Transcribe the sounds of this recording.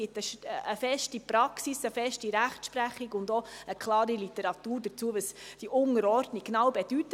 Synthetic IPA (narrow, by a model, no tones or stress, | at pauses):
ɪt̪əʃəfɛʃtipɾɑksisəfɛʃtiɾæχtʃpɾæχiɡʊndɔəkʰlɑːɾilitəɾɑt̪uːɾd̥ət͡suəʋəsd̥iʔʊnəɾɔɾdnikːnɑwbed̥yt